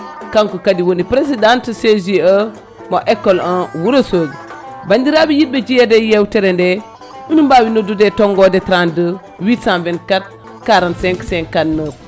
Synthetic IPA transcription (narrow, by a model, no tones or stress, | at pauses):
kaŋkukadiwonipɾes̬idantəseziə | moʔekːolãwuɾosoɡ | bandiɾabijibed͡ʒijedejewteɾende | unumbawinodudetoŋɡodetɾandə | witsanvenkat̚ | kaɾanseŋkseŋkanːə